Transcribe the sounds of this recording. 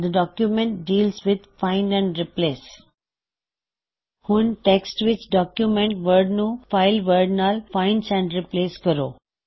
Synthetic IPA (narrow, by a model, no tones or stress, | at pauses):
d̪əɖɔːkjumẽɳʈ̚ɖiːlsʋɪd̪ʱfãɪ̃ɳɖɛ̃ɳɖɾɪpleːs | hʊ̃nʈeksʈʋɪt͡ʃɖɔːkjumẽɳʈʋəɾɖnufaɪlʋəɾɖnaːlfãɪ̃ɳɖsɛ̃ɳɖɾɪpleːskəɾo̰ː